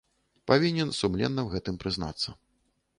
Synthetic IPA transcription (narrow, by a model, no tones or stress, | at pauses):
pavʲinʲɛnsumlʲɛ̰nːɐwɣɛt̪ɨmpɾɨzna̰t̪sːɐ